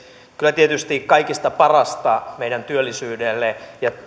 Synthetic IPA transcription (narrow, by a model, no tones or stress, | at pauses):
kylːˑæt̪iet̪yst̪ikkɑikist̪ɑpɑrɑst̪ɑmeijdænt̪yølːisyːdelːejɑ